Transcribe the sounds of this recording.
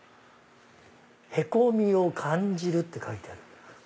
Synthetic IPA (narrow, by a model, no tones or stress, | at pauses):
he̞komʲio̞kʰãɲd͡ʑiɾɯ̟t̪ːe̞kait̪eaɾɯ̟